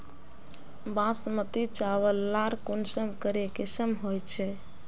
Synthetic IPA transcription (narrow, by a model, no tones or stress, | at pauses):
bãsmət̪it͡ʃaʋəlːaɾkonsəmkəɾekesəmɦojt͡ʃʰɛ